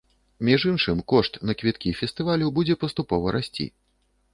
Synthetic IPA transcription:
mʲiʐɨnʂɨmkɔʂt̪nɐkvʲit̪kʲifʲɛst̪ɨvalʲubud͡zʲɛpɐst̪upɔvɐɾasʲt͡sʲḭ

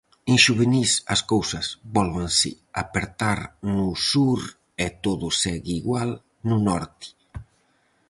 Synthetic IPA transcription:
enʃuβenisaskowsazbɔlβansḭ | apeɾt̪aɾnusuɾ | et̪oðusɛɣiɣwal | nunɔɾt̪i̥

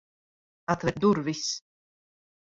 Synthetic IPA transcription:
at̪vɛt̪̚d̪uɾvis

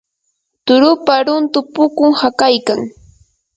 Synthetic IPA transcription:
t̪ʊɾʊpaɾʊnt̪ʊpʊkʊŋhakajkaŋ

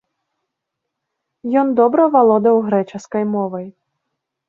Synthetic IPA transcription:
jɔnd̪ɔbɾɐvalˠɔd̪ɐwɣɾɛt͡ʂɐskɐjmɔvɐj

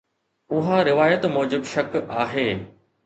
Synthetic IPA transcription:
ʊɦaɾɪʋaːjət̪mɔːd͡ʑɪbʃɐkaːɦeː

